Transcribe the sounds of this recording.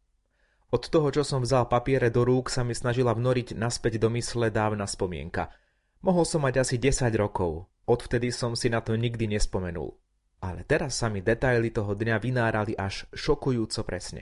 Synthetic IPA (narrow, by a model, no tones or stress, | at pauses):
ɔt̪ːɔɦɔt͡ʃɔsɔmvzalpapɪɛɾɛd̪ɔɾuːksamisnaʒilavnɔɾiɟnaspɛɟd̪ɔmislɛd̪aːʊnaspɔmɪɛ̰ŋka̰ | mɔɦɔlsɔmːaɟasiɟɛsaɟɾɔkɔʊ | ɔt̪ft̪ɛd̪isɔmsinat̪ɔɲiɡd̪iɲɛspɔmɛnṵl | alɛ̰t̪ɛɾasːamid̪ɛt̪ajlit̪ɔɦɔd̪ɲaʋinaːɾaliʔaʃʃɔkujuːt͡sɔpɾɛsɲɛ̰